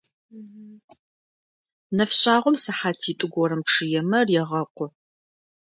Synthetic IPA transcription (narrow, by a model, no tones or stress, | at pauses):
nɐfɕʼaːʁʷɔmsɐħaːtʰitʼɨɡʷɔɾɨmʈ͡ʂʰɨjɛmɐrjɛʁɐqʷʊ